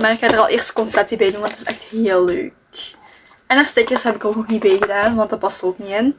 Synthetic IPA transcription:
maːrɪkxaːdərɑlˠʔeːrstə̥kɔnplɛtibɛjdunʋɑntətɪ̥sɛ̰xtɦeːəlːø̰ːk̚ | ɛnastekərsɦɛbɪkoːknɔxnit̚bɛjɣədaːnʋɑntdɑt̚pɑstoːknien

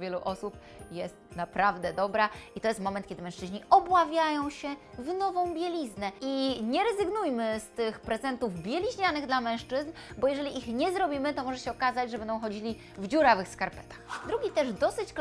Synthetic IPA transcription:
vʲjɛluʔɔsup | jɛst̪̚napɾavd̪ɛd̪ɔbɾait̪ɔjɛst̪mɔmɛnt̪kʲɛd̪ɘmɛ̃w̃ʂt͡ʂɘʑɲiɔbwavʲjajɔ̃w̃ɕɛvnɔvɔ̃w̃bʲjelʲiznɛʔiɲɛɾɛzɘɡnujmɘst̪ɘxpɾɛzɛnt̪uvbʲjɛlʲiʑɲanɘɣd̪lamɛ̃w̃ʂt͡ʂɘznbɔjɛʐɛlʲiʔixɲɛzɾɔbʲimɘt̪ɔmɔʐɛɕɛɔkazad͡ʑʐɛbɛnd̪ɔ̃w̃xɔd͡ʑilʲi | vd͡ʑuɾavɘxskaɾpɛ̥t̪ḁxd̪ɾuɡʲit̪ɛʐd̪ɔsɘt͡ɕk

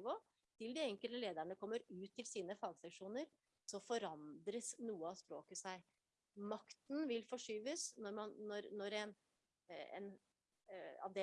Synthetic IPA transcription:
ʋoː | t̪ʰɪld̪ɪɛŋkəlt̪əleːd̪æɳəkʰɔmːəɾʉːt̪ʰːɪlsiːnəfɑːɡsɛkʂuːnəɾ | sɔfɔɾɑnd̪ɾəsnuːəɑspɾoːkəsæɪ | mɑkt̪n̩ʋɪlfɔʂyːʋəsnɔɾmɑnːɔɾnɔɾɛn | ɛ̰n | ɑ̰ʋd̪e

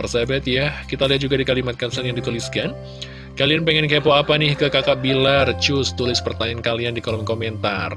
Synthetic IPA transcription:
ərsabɛt̪jakit̪aliɦat̪̚d͡ʒuɡadikalimat̪̚kansanjaŋdit̪uliskan | kalianpeŋɛnkepoapanɪhkəkakaʔbilart͡ʃʊst̪ulɪspərt̪aɲankaliandikolɔmkomɛnt̪a̰r

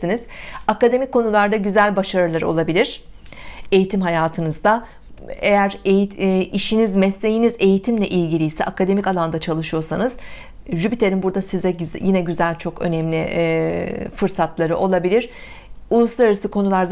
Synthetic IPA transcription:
iniz̥akad̪e̞mikʰːo̞nulˠaɾd̪aɟyzælʲbaʃaɾɯlˠaɾɯo̞̰lˠabilʲiɾ̥ | e̞jit̪ʰimɦajaːt̪ʰɯnɯzd̪a | ejæɾejiʃinizmɛsːʲe̞jinize̞jit̪ʰimlʲɛʔilʲɟilʲijsɛ̰ʔakad̪e̞micalˠand̪at͡ʃʰalˠɯʃɯjo̞sanɯz̥ | ʒybit̪ʰeɾʲinbuɾd̪asizɛjinɛɟyzælʲt͡ʃʰo̞kø̞̰nɛmlʲi | fɯɾsat̪ʰlˠaɾɯʔo̞lˠabilʲiɾ̥ | ulˠuslˠaɾɾɯsɯkʰo̞nulˠaɾz

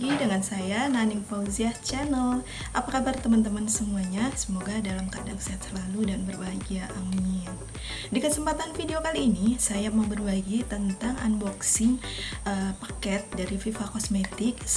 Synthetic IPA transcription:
idəŋansajananɪŋpauziaht͡ʃɛnəl | ʔapakabərt̪əmənt̪əmənsəmuaɲasəmoɡadalamkadaŋsaat̪̚səlaludanbərbaɡiaʔamin | dikəsəmpat̪anfideokaliːnisajamawbərbaɡit̪ənt̪aŋʔa̰nbɔksɪŋʔəpḁkɛt̪̚daɾififakɔsmet̪ɪks

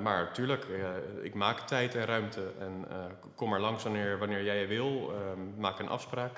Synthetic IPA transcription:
maːɹtyːɹləkɪ̰kmaːktɛjtɛnrœɥmtʰəɛn | kɔmɛɹlɑŋsʋɑnɪːɹʋɑnɪːɹjɛjəʋɪlˠmaːkənʔɑ̰fspraːk

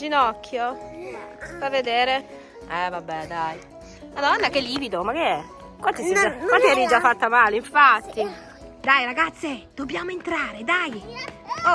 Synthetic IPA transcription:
d͡ʒinɔkʰːjo | favːed̪eːɾe | ɛvabːɛd̪aj | mad̪ɔnːakeliːvid̪omakeɛ | kwat̪iid͡ʒakwat̪iaɾid͡ʒafːat̪ːamaːleiɱfat̪ːi | d̪ajɾaɡat̪sːed̪̥obːjaːmoent̪ɾaːɾed̪aj

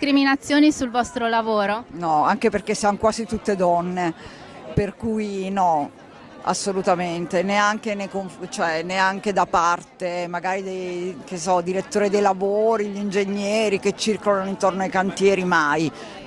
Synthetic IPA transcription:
kɾiminat̪sːjoːnisulvɔst̪ɾolavoːɾonɔaŋkeperk̟esːianokwaːzit̪ut̪ːed̪ɔnːe | perkujnɔ | a̰sːolut̪ament̪eneaŋkenekoɱft͡ʃoɛneaŋk̟ed̪apart̪emaɡaːɾid̪ejk̟esɔd̪iɾet̪ːoːɾed̪ejlavoːɾiʎind͡ʒeɲːɛːɾiket͡ʃːirkolanoint̪ornoajkant̪jɛːɾimaj

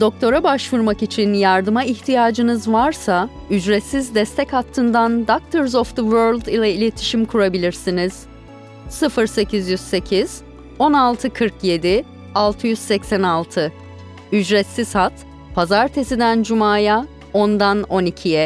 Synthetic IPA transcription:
d̪̥o̞k̚t̪ʰo̞ɾabaʃvuɾmakit͡ʃʰinjaɾd̪ɯmaiçt̪ʰijaːd͡ʒɯnɯzvaɾsa | yd͡ʒɾɛt̪sizd̪ɛst̪ʰɛchat̪ʰːɯnd̪and̪ak̚t̪ʰɯɾzɔfd̪ɯvøɾlʲd̪ilʲɛilʲe̞t̪ʰi̥ʃimkʰuɾabilʲiɾsiniz̥ | sɯfɯɾse̞cʰizjyz̥se̞cʰiz̥ | o̞nalˠt̪ʰɯkʰɯɾkje̞d̪i | alˠt̪ʰɯjyz̥sɛcsænalˠt̪ʰɯ | yd͡ʒɾɛt̪siz̥hat̪ | pʰazaɾt̪ʰe̞sid̪ænd͡ʒumaːja | ond̪ano̞nicʰijɛ

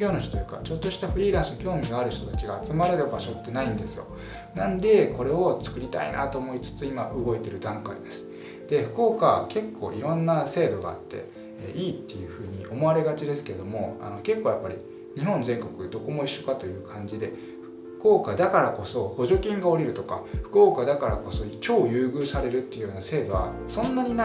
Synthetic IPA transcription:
o̞ːnoçt̪ot̪ojɯka̰t͡ɕo̞t̪ːo̞ɕi̥t̪aɸɯ̟ɾʲiːɾãɰ̃sɨnokʲo̞ːmʲiɡaaɾɯ̟ç̥t̪o̞t̪at͡ɕiɡaːt͡sɨmaɾe̞ɾɯ̟baɕo̞t̪ːe̞naĩnd̪e̞sɨjo̞̰ | nãnd̪e̞ko̞ɾe̞o̞t͡sɨ̥kɯ̟ɾʲit̪a̰ḭnʔa̰t̪o̞ːmo̞it͡sɨ̥t͡sɨimaʔɯɡo̞et̪e̞ɾɯ̟d̪ãŋkaid̪e̞sɨ̥ | d̪̥e̞ɸɯ̟̥ko̞ːkake̞kʰːo̞̰ːʔiɾõ̞nːase̞ːd̪o̞ɡa̰a̰t̪ːe̞̰ | iːt̪ːe̞jɯ̟ɸɯ̟ːɲ̟iʔo̞mo̞aɾe̞ɡat͡ɕid̪e̞sɨ̥ke̞ɾed̪o̞mo̞a̰no̞ke̞kːoːjapːaɾʲi | ɲ̟iɦõ̞nd͡zẽ̞ŋko̞kɯ̟d̪o̞ko̞mo̞iɕːo̞kat̪o̞jɯ̟ːkʰãɲ̟d͡ʑid̪e̞ | ɸ̟ | ɯ̥ko̞ːkad̪akaɾako̞so̞ho̞ʑo̞kʲĩŋɡao̞ɾʲiɾɯ̟t̪o̞kaɸɯ̟̥ko̞ːkad̪akaɾa̰ko̞so̞t͡ɕo̞ːjɯ̟ːɡɯ̟ːsaɾe̞ɾɯ̟t̪ːejɯ̟joːnase̞ːd̪o̞βat̪ːesõ̞nːaɲ̟ina

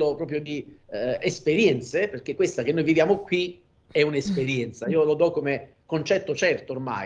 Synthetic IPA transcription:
opɾɔːp̬ɾjod̪iespeɾjɛnt̪seperk̟ekːwest̪ak̟enojvivjaːmokwi | ɛunespeɾjɛnt̪saiːolod̪ɔkːome | kːont͡ʃɛt̪ːot͡ʃɛrt̪oːrma̰

